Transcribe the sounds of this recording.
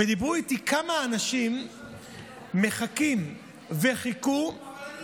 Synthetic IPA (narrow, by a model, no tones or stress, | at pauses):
medibʁuit̪ikʰamaːnaʃim | e̞χakim | veχiku